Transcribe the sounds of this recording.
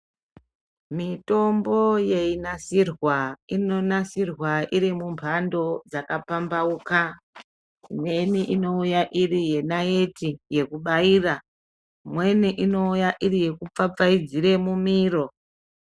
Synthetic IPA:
mito̞mbo̞je̞inasirwainonasirwaiɾimumpʰando̞d͡zakapambauka | mwe̞niʔino̞ujaʔirije̞naje̞tije̞kuɓaiːra | mwe̞niʔino̞ujaʔirije̞kup͡fap͡faid͡ziɾe̞mumiːro̞

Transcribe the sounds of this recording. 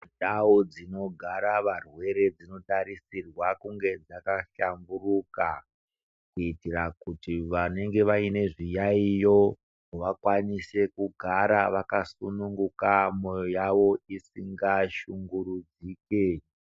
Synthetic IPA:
taod͡zino̞ɡʱaɾaʋarwe̞ɾe̞d͡zino̞taɾisirwakuŋɡe̞d͡zakaɬamburuka | kuitirakutiʋane̞ŋɡe̞ʋaine̞ʐijaijo̞ | ʋakwanise̞kuɡʱaɾaʋakasunuŋɡukamo̞jo̞jaʋo̞isiŋɡaʃuŋɡuɾud͡ziːke

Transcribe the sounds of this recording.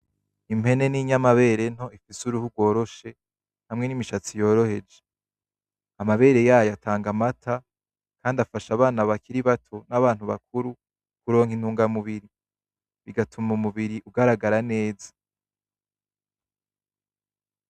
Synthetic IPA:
im̥e̞ne̞niɲamaβe̞ːɾe̞n̥ho̞ifisuɾuhuɡwo̞ːɾo̞ʃe̞ | hamŋe̞nimiʃat͡sijo̞ːɾo̞he̞d͡ʒe̞ | amaβe̞ːɾe̞jaːjoatʰaːŋɡamatʰa | kaːndafaʃaβaːnaβakiɾiβatʰo̞naβaːn̥uβak̚ʰuɾu | kuɾo̞ːŋhin̥huːŋɡamuβiɾi | βiɡatʰumumuβiɾiʔuɡaɾaɡaɾane̞ːzḁ

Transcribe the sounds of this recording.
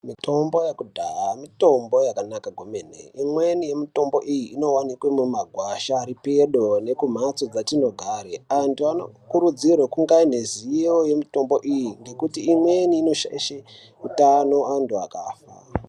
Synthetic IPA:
mitʰo̞mbo̞jekudʱaamito̞mbo̞jakanakaɡʱomenḛimwenije̞mito̞mbo̞̰ʔijiino̞wanikwemumaɡʱwaʃaɾipe̞ɗo̞nekum̤at͡so̞d͡zatino̞ɡʱaɾeantuano̰kuɾud͡zirwekuŋɡaine̞zioje̞mito̞mbo̞ʔijiŋɡe̞kutiːmwe̞niːno̞ʃa̰ʃe | utano̞anduakaːfa̰

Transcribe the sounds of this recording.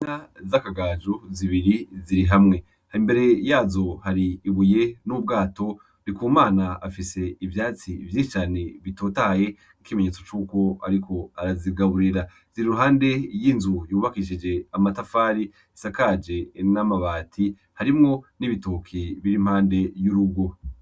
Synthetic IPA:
azakaɡaːd͡ʒuziβiɾiziɾiɦamŋe̞ | haimbe̞ɾe̞jaːzo̞haɾiːβuje̞nub̚ɡaːto̞ | nikuːmaːnaːfise̞ivjaːt͡sivjiːʃit͡ʃaːne̞βito̞ːtahaje̞ | nikime̞ɲe̞ːt͡so̞t͡ʃuːko̞aɾikʰo̞aɾaziɡaβuɾiɾa | z̥iɾiɾuɦaːnde̞jinzujuːβakiʃid͡ʒe̞amatafaːɾi | isakad͡ʒe̞namaβaːtʰi | haɾimŋo̞niβitokʰiβiɾim̥haːnde̞juɾuɡwo̞

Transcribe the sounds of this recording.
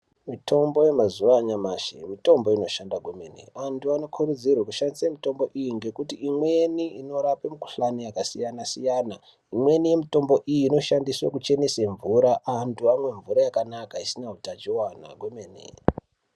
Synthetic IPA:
mitʰo̞mbo̞je̞mazuʋaɲamaːʃḛmito̞mbo̞ino̞ʃandaɡʱome̞̰nḭantuano̞kʰuɾud͡zirwakuʃandisamito̞mbo̞ʔijiŋɡe̞kutiʔimwe̞niino̞ɾapemiku̥ɬanijakasijanasijana | imwe̞nije̞mito̞mbo̞ʔijiːno̞ʃandiswa̰kut͡ʃe̞nese̞ɱvuɾaʔːntʰuamwe̞ɱvuɾajakanakaisinautat͡ʃiwana̰ɡʱomenḛ

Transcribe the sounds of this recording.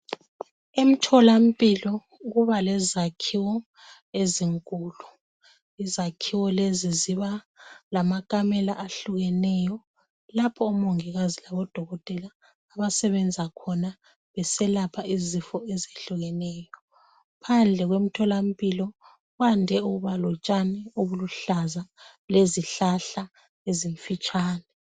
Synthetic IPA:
em̩tʰɔlam̩pʼilɔ | ɣuβalɛzakʰiwɔ | eziŋkʼuːlu | izakʰiwɔleziziβa | lamakʼamɛlaʔaɬuɣɛnɛjɔ | lapʰɔːmoŋiɣazilaβɔd̥ʱɔɣɔtʼɛlaː | βasɛβɛnd͡zʱakʰɔna | βɛsɛlapʰaizifɔɛzeɬuɣɛnɛːjɔ | pʰand͡ɮʱɛɣwem̩tʰɔlam̩pʼilɔ | ɣwandʱɛuɣuβalɔt͡ʃʼanɛoβuluɬaza | leziɬaɬa | eziɱfit͡ʃʼaːnɛ

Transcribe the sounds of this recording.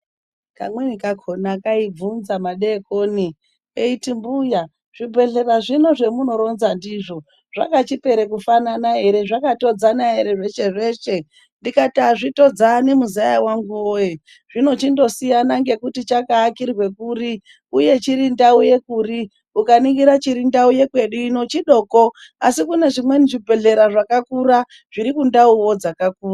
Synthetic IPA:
ka̰mwenikakʰonakaib͡vunzamaɗe̞ko̞ni | eitimbuja | ʐ̥ibʱe̞ɮe̞raʐino̞ʐe̞muno̞ɾo̞nzandiʐo̞ | ʐ̥a̰kat͡ʃipe̞ɾekufananaɦe̞ɾe̞ʐakato̞d͡zanaɦe̞ɾe̞ʐe̞ʃe̞ʐe̞ːʃe̞ | ndikataʐito̞d͡zane̞muzajawaŋɡuoje | ʐ̥ino̞t͡ʃindo̞sijanaŋɡe̞kutit͡ʃakaːkirwe̞kuɾi | uje̞t͡ʃiɾindauje̞kuɾi | ukaniŋɡiɾat͡ʃiɾindauje̞kwe̞ɗuino̞t͡ʃiɗo̞ːkoasikune̞ʐimwe̞niʐibʱe̞ɮe̞ɾaʐakakuɾa | ʐ̥iɾikundauwo̞d͡zakakuːra

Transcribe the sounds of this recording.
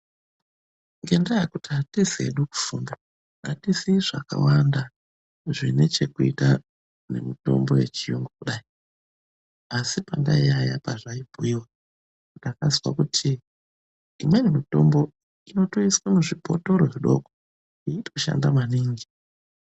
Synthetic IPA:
ŋɡe̞ndajakutiatisiḛɗuku̥fuːnda | atisiʐaka̰wanda | ʐine̞t͡ʃe̞kuita | ne̞̰mito̞̰mbo̞je̞t͡ʃijoŋɡokuɗaːi | asipandaiaja̰paʐaibʱuiwa | ndakaziwa̰kutʰiː | mwe̞nemito̞mbo̞ | ino̞toiswamuʐipo̞to̞ɾoʐiɗo̞̰ɡo | iituʃa̰ndamaniːŋɡi

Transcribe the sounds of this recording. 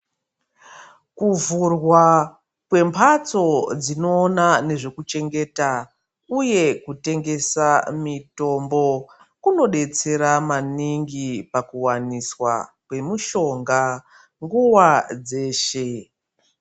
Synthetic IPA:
kuvurwa | kwe̞mpʰat͡so̞d͡zino̞ːnane̞ʐe̞kut͡ʃe̞ŋɡe̞ta | uje̞kute̞ŋɡe̞samito̞mbo̞ | kuno̞ɗe̞t͡se̞ɾamaniŋɡipakuwaniswa̰ | kwe̞muʃo̞ŋɡa | ŋɡuwad͡ze̞ːʃe̞

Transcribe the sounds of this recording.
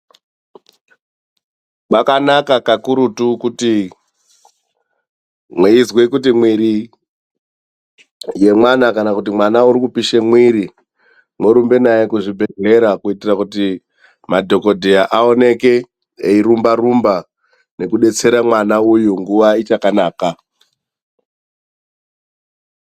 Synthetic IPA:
ɓakanakakakuɾutukuti | mweizwekutimwiɾi | je̞mwanakanakutimwanauɾikupiʃemwiɾi | mweɾumbe̞najekuʐibʱe̞ɮe̞ɾakuitirakuti | madʱo̞ko̞dʱejaʔao̞ne̞ke | eiɾumbarumba | ne̞kuɗe̞t͡se̞ɾamwanaujuŋɡuʋait͡ʃakanaːka

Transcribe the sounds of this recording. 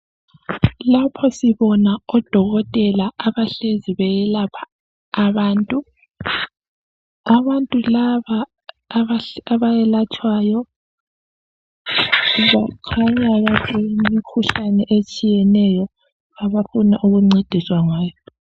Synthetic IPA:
lapʰɔsiβɔnaɔd̥ʱɔɣɔtʼɛlaaβaɬeziβɛjɛlapʰḁː | βaːntʼu | aβantʼulaβaː | βaaβajɛlat͡ʃʰʼwaːjɔ | βakʰaɲaβazeimmikʰuɬanɛʔet͡ʃʼijɛnɛjɔ | aβafuna̰ʔuɣuŋ͡ǀed̥ʱiswaŋaːjɔ

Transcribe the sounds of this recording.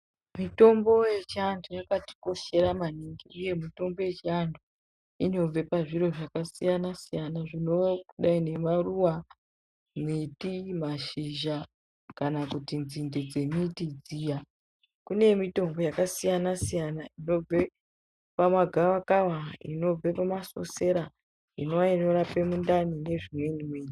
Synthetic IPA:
mito̞mbo̞je̞t͡ʃandujakati̥ko̞ʃe̞ɾamaniŋɡiuje̞mito̞mbo̞je̞t͡ʃandu | ino̞b͡ve̞paʐiɾo̞ʐakasijanasijanaʐino̞kuɗaine̞maruwa | metimaʃiʒa | kanakutinzinded͡zemitid͡zija | kune̞mito̞ŋɡo̞jakasijanasijanaino̞b͡ve | pamwaɡʱawakawaḭno̞b͡ve̞pamaso̞̰se̞ɾa | ḭnoaino̞ɾape̞mundanine̞ʐimwe̞nimweːɲi

